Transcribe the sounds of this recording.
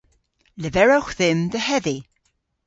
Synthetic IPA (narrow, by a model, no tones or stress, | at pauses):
ləvɛɹoxðɪmðəhɛði